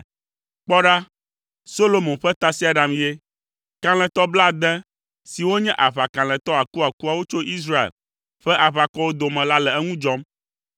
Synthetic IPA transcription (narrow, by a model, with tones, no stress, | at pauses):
k͡pɔ˦ɖa˦ | so˦lo˨mõ˨ɸɛ˦t̪a˦si˦a˨ɖa˨m˨je˦ | kã˨l̃ɛ̃˨t̪ɔ˦bla˦d̪ɛ̃˦ | si˨wo˦ɲɛ̃˦ʔa˨βa˨kã˨l̃ɛ̃˨t̪ɔ˦a˨ku˦a˨ku˦a˨wo˦t͡ʃo˦ʔi˦s̬ɾa˦ḛ˨l | ɸɛ˦ʔa˨βa˨kɔ˦wo˦d̪o˨mɛ̃˨la˦lɛ˨ɛ˦ŋũ˦d͡ʒɔ˦m